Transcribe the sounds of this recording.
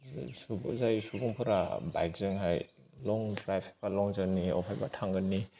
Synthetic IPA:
subzajsubuŋpʰɯɾaba̰jk̚zɯŋɦaj | lɔŋdɾajpʰi̥k̚b̥alɔŋzɯnːiɔ̰pʰajba̰tʰaŋɡɯnːi

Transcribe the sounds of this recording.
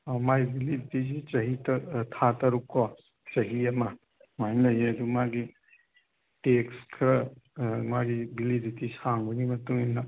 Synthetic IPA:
ɔmajbilidit̪id͡ʒit͡ʃɐɦit̪ɐt̪ʰat̪ɐɾukɔ | t͡ʃɐɦijama | majnlɐjed̪umaɡi | tekskʰɾɐmaɡibilidit̪isaŋbunimɐt̪uminːɐ

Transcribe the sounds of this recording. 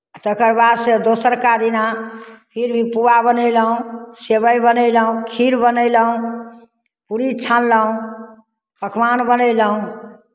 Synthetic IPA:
at̪əkəɾbad̪sed̪osəɾkad̪inapʰiɾbʱipuabənəɪləɦũsebəjbənəjləɦũkʰiɾbənələɦũ | puɾit͡ʃʰanləɦũ | pəkmanbənəɪləɦũ

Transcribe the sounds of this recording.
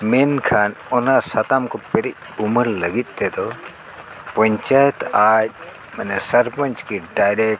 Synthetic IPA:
menkʰaːnɔnasɐt̪amkɔpeɾic̚uməɾlɐɡit̪̚ˀd̪ɛd̪ɔ | pɐɲt͡ʃajɛt̪aːc̚ | mɐnɛsɐɾpəɲt͡ʃkiɖajɾek̚

